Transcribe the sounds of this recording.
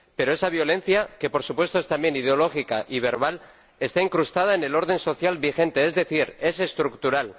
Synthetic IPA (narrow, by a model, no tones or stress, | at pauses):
pe̞ɾo̞e̞saβ̞jo̞le̞n̟θjake̞po̞ɾsupwe̞st̪oest̪ambje̞nið̞eo̞lo̞xika̰ʔiβ̞e̞ɾβ̞al | e̞st̪aiŋkɾust̪aðaene̞lo̞ɾðe̞nso̞θjalβixẽ̞nt̪e̞ezðe̞θiɾe̞se̞st̪ɾukt̪uɾal